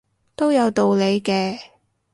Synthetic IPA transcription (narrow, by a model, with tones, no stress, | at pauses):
t̪o˥wjɐ˨˧wt̪o˨wle˨˧jkɛː˧